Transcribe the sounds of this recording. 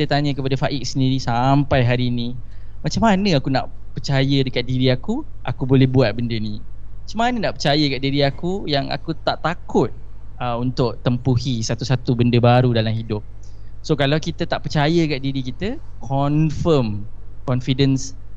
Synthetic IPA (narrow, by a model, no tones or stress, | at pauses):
t̪ət̪aɲəkəpadafaʔik̚səndiɾisampajɦaɾiːnĩ | mat͡ʃamːanə̃akunaʔpərt͡ʃajədəkat̪̚diɾiakuʔakubolɛhbuat̪̚bəndənimat͡ʃamanənaʔpərt͡ʃajəəkaʔ̪̚diɾiakujaŋa̰kut̪aʔt̪akʊt̪̚əunt̪ʊk̚t̪əmpuhisat̪usat̪ubəndəbaɾudalamhidʊp̚ | sokalawkit̪ət̪aʔpərt͡ʃajəəkat̪̚diɾikit̪əkʰɔnfəmkɔnfidəns